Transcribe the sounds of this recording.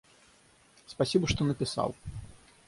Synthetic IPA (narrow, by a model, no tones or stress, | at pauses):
spasʲibɐʂt̪ɔnɐpʲisa̰w